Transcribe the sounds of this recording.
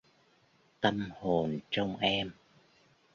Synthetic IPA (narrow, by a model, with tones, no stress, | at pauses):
t̪ə˧mho˨˩nt͡ɕɔ˧wŋ͡mʔɛ˧m